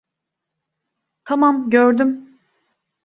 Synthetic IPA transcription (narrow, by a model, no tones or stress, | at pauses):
t̪ʰamamɟøɾd̪ym